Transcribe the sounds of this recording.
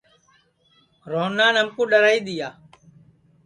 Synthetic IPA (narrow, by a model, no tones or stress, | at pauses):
ɾoːnːaːnəmkuːɗəɾaːiːɗ̪ɪjaː